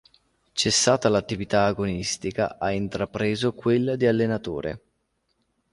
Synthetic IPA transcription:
t͡ʃesːaːt̪alat̪ːivit̪aːɡonist̪ika̰ʔaint̪ɾapɾeːzokwelːad̪ialːenat̪o̰ːɾʔḛ

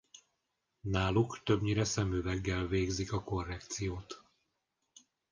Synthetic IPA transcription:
naːlukt̪øbɲiɾɛsɛmyːvɛɡːɛlveːɡzikɒko̞rːɛkt̪sijoːt̪

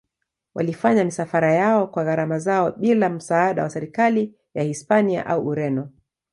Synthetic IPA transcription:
wʔa̰lifaɲamisafaɾajaɔkwaɣaɾamazaɔɓilam̩saːɗawasɛɾikali | jahispania̰ʔauʔuɾɛnɔ

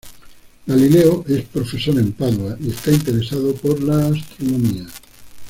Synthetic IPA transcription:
ɡalileoʔe̞spɾofe̞soɾẽ̞mpaðoaie̞st̪aint̪eɾe̞saðopoɾlaːst̪ɾonõmia

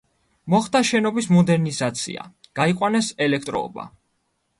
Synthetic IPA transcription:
mɔχd̪aʃɛnɔbismɔd̪ɛɾnizat̪sʰḭa̰ɡ̥aiqʼwanɛsɛlɛk̚ʰt̪ʼɾɔ̰ːba̰

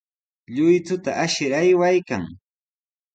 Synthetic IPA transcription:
ʎʊjt̪ʊt̪aʔaʃɪɾajwajka̰ŋ

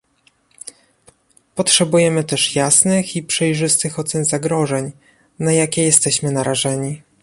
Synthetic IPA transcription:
pɔtʂɛbujɛmɘt̪ɛʂjasnɘxipʂɛjʐɘst̪ɘxɔt̪sɛnzaɡɾɔʐɛɲ | najakʲɛjɛst̪ɛɕmɘnaɾaʐɛɲi

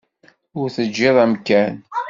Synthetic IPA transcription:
ʊɾθəd͡ʒːɪðˤæmkæn

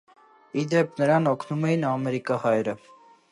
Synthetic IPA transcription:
id̪ɛp̚ʰnəɾɑnɔkʰnumɛjinɑmɛɾikɑhɑjɾə

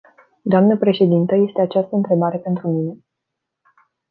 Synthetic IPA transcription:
d̪oamnəpɾe̞ʃe̞d̪int̪əje̞st̪e̞at͡ʃast̪əɨnt̪ɾe̞baɾe̞pe̞nt̪ɾumine̞

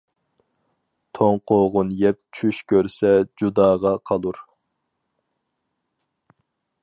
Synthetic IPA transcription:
t̪ʰoŋqʰoʁʊnjɛp̚t͡ʃʰyʃkʲʰøɾsɛd͡ʒud̪ɑːʁɑqʰɑlˠuɾ

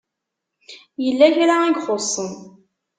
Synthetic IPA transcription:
jəlːæçɾaæɡχosˤːəm

